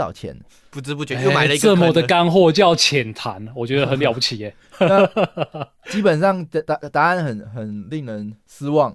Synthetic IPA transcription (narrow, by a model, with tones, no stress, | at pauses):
ɑ̰˨˩ʊt͡ɕʰjɛ̰˧˥n | pu˧t͡sɻ̩˦pu˥˩t͡ɕɛ˧˥a˨˦ə˧ə˥˨mə˧˨˩d̪ə˨ka˦nxwɔ˥˧t͡ɕjɑ˥˨ʊt͡ɕʰjɛ˨˩nt̪ʰa˨˦nwɔ˨t͡ɕɥɛ˧˥d̪ə˧˩xə˨˦nljɑ˨ʊpu˧t͡ɕʰi˨˩e˨˦ | na˥˩ | t͡ɕi˦˥pə˨˩nsɑ˥˨ŋ˧a˧˥t̪a˥˦a˥˩nxə˨˩nhə˨˩nli˥˩ŋnə˨˦ns̩˦wɑ˥˨ŋ